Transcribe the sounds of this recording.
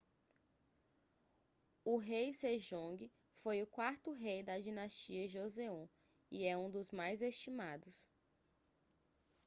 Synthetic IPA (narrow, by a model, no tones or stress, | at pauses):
ʊɦejseʒõɡɪ | fojʊkwaɾt̪ʊɦejd̪ɐd͡ʒinast͡ʃiɐʒozeũ | ḭɛũd̪ʊzmajzest͡ʃimad̪ʊs